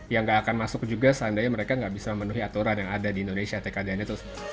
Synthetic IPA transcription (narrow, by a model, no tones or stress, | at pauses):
jaŋɡaʔːkanmasʊk̚d͡ʒuɡasəandajaməɾekaŋɡaʔbisaməmənuɦiat̪uɾanjaŋadadiːndonesiat̪ekadanat̪ʊs